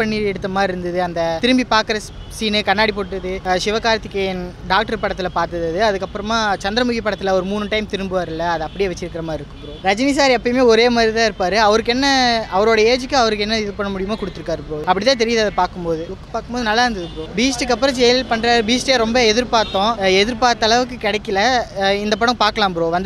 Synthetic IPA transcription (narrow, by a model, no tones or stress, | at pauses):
pɐɳːiɛɽɯt̪ːɐmaːɪɾɯnd̪ɐðɯɐnd̪ɐt̪ɪɾɯmbipaːkɐɾɐs | siːnɯkɐnːaːɽipoːɽʈːɐðɯʃɪʋɐkaːɾɐt̪ːɪkːɐjɐnɖaːk̚ʈɐɾpɐɽɐt̪ːɪlɐpaːɾt̪ɐðɐðɯɐðɯkːɐpːɯɾɐmaːt͡ʃɐnd̪ɾɐmʊɣipːɐɽɐt̪ːɪlɐɔɾɯmuːnɯʈɐɪmt̪ɪɾɯmbɯʋaːɾɪlːɐɐðɯɐpːɐɽɪjeːʋɛt͡ʃːɪɾɯkːɪɾɐmaːɪɾɯkːɐpːɯɾoːɾɐd͡ʒɐnis̬aːɾiɛpːɐjmeːɔɾeːmaːd̪ɾit̪ãːɪɾɯpːaːɾɯɐʋɐɾɯk̬ːɛnːɐɐʋɐɾoːɽɐjɐeːd͡ʒɯkːɯɐʋɐɾɯk̬ːɛnːɐɪðɯpɐɳːɐmʊɽɪjɐmaːkʊɽɯt̪ːɯɾɯkːaːɾɯpɪɾoːɐpːɐɽɪt̪ːãːt̪ɛɾɪjaðɐðɐpaːɾkɯmpoːðɯɯkkːɯ̥paːɾkɯmboːðɯnɐlːaːɾɐnd̪ɐðɯpɪɾoːbiːsʈɯk̬ːɐpːɯɾɐ̃d͡ʒɛjɐlɪlpɐɳɾaːɾɯbiːsʈeːɾɔmbɐɛðɪɾpaːɾt̪ːõːɛðɪɾpaːɾt̪ːɐlɐʋɯkːɯkɪɽɛkːɪlɐɪnd̪ɐp̬ɐɽɐ̃paːɾkɐlaːmpɾoːʋɐnd̪